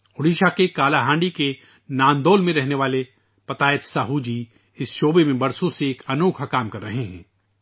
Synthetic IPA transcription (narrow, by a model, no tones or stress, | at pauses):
ʊɽiːʃakekaːlaɦãːɳɖike | naːnd̪oːlmẽɾɛɦneʋaːle | pɐt̪aːɪt̪saːɦud͡ʒiː | ɪsʃoːbemẽbɐɾsõseːkɐnoːkʰakaːmkɐɾːɐɦeɦɛ̰̃ː